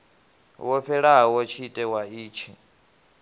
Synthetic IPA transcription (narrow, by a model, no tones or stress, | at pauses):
wɔɸʰɛɺaɦawɔt͡ʃʰitʼɛwaiːt͡ʃʰi